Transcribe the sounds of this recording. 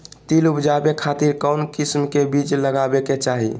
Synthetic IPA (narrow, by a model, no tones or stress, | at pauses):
t̪ilupd͡ʒabekʰat̪iɾkaʊnkismkebit͡ʃləɡabeket͡ʃaɦḭ